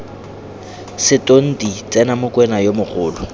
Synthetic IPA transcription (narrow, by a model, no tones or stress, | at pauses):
sɪtʼon̩dit͡sʼɛnamʊkʼwɛnajomʊχʊːlɔ